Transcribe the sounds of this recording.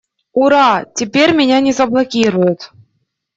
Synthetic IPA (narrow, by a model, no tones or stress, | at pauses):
uɾɑtʲɪpʲeɾʲmʲɪnʲanʲɪzəblˠɐkʲiɾʊjʊt̪